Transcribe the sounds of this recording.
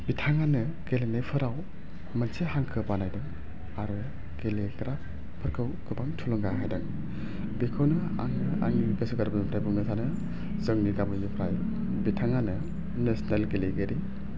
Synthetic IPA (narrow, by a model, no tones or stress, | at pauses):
bitʰaŋanɯɡ̥elenajpʰɯɾaw | mansehaŋkʰɯpanajdɯŋ | aɾɯ | ɡeleɡɾap | pʰːɯɾkʰɯwkɯbaŋtʰulɔŋɡaɦajdɯŋ | bikʰɯwnɯa̰ŋa̰ŋibesɯɡaɾbɯnpʰɾajbuŋnɯsʰanɯ | zɯŋniɡabɯjipʰɾaj | bitʰaŋanɯ | nesnalɡeleɡeɾi